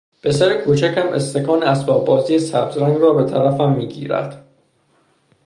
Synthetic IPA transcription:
b̥e̞sæɾekʰuːt͡ʃʰæcæmʔest̪eɡɒːneæsbɒːb̚bːɒːziːesæbzɾæŋɡrɒːbe̞t̪ʰæɾæfæmːiːɟḭːɾæ̰d̪̥

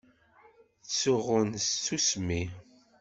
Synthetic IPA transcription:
t͡sːʊʁʊnsusmi

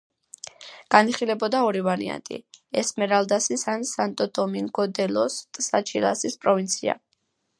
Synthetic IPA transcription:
ɡ̥aniχilɛbɔd̪aɔɾivaɾḭa̰nt̪ʼḭɛsmɛɾalˠd̪asisansant̪ʼɔt̪ʼɔmiŋɡɔd̪ɛlɔst̪ʼsat͡ʃʰilˠa̰sispʼɾɔvint̪sʰia̰

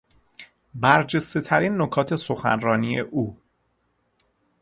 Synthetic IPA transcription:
bæɾd͡ʒe̞st̪e̞t̪ʰæɾiːnːokʰɒːt̪ʰe̞so̞xæ̰nɾɒːnije̞̰ʔuː

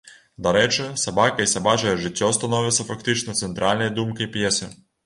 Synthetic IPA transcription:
d̪ɐɾɛt͡ʃɛsɐbɑkɐisɐbɑt͡ʃɐjɛʒɪtʲːɔst̪ɐnɔʋʲɪt̪sʲɐfɐkt̪ɪt͡ʃnɔt̪sɛnt̪ɾalʲnɐjd̪umkɪjpjɛsɪ

